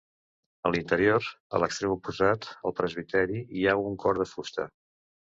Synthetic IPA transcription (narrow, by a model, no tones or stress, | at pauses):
əlint̪əɾioɾə̰ləkst̪ɾemupuzat̪əlˠpɾəzβ̞it̪ɛɾiiauŋkʰɔɾðəfust̪ə̰